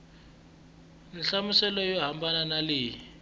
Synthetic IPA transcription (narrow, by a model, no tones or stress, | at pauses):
niɬamusɛlɔjɔɦambʱananaliːji